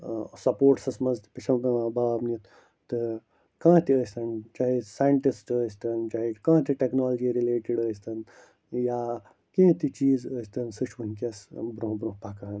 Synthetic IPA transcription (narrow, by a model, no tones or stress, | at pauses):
sɐpoːɾʈsɐsmɐzt̪pit͡ʃʰɐmkɐnabʱaːbnit̪ | t̪ɨ | kãːt̪iəːst̪ɐnt͡ʃaːɦisajɳʈisʈəst̪ɐnt͡ʃaːɦikãːt̪iʈeknaːlɐd͡ʒiɾileːʈiɽəːst̪ɐn | jaː | kẽːt̪it͡ʃiːzəst̪ɐnsɨt͡ʃʰʋunkɐsbɾõɦbɾõɦpakaːn